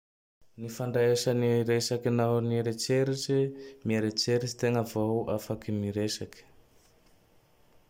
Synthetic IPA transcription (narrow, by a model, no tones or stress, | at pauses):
nifaɳɖ͡ʐaeʃaniɾesakinanieɾet͡seɾiʈ͡ʂimieɾet͡seɾit͡ʃi̥t̪eŋəvawafakimiɾesaki̥